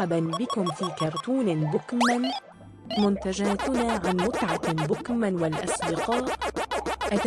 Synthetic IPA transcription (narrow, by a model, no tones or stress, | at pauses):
abanbɪkʊmfiːkɑɾˤt̪uːnbʊkman | mʊnt̪ad͡ʒaːt̪ʊnaːʕanmʊt̪ʕabʊkmawalʔɑ̰sd̪ɪqɑːʔ | ʔat̪